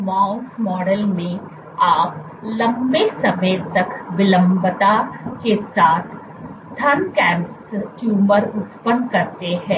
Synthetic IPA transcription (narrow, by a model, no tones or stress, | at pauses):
maːʊsmɔːɖəlmẽ | aːp | lɐ̃mbesɐmət̪ɐkʋɪlə̃mbət̪akesaːt̪ʰ | t̪ʰɐnkɛ̃ːmpst͡ʃjuːməɾʊt̪pənkɐɾt̪eɦɛ̃ː